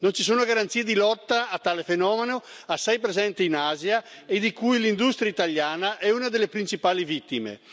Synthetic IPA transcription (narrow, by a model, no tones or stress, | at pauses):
nont͡ʃisoːnoɡaɾant̪siːed̪ilɔt̪ːaːt̪ːaːlefenɔːmenoasːɛjpɾezɛnt̪iinaːzjaed̪ikujlind̪ust̪ɾjait̪aljaːnaʔɛuːnad̪elːepɾint͡ʃipaːlivit̪ːimḛ